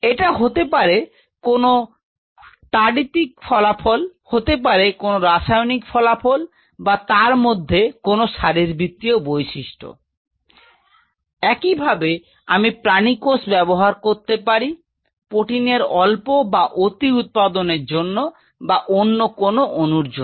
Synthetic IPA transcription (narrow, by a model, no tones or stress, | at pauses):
eʈaɦot̪epaɾe | kono | ʈaɖit̪ik̚fʰɔlapʰolhot̪ep̬aɾekonoɾaʃajonikfʰɔlafʰol | bat̪aɾmod̪ʱːekonoʃaɾiɾbʱɾit̪ːiobojʃiʃʈʰo̰ | ɛkibʱabe | amipɾanikosbɛboɦaɾkoɾt̪epaɾi | poʈineɾɔlpobaʔot̪iut̪̚pad̪oneɾd͡ʑonːo | baʔonːokonoʔonuɾd͡ʑon